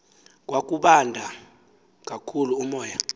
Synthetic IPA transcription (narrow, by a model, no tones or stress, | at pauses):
k̬ʼwak̬ʼuɓandʱa | k̬ʼakʰuluːmɔːja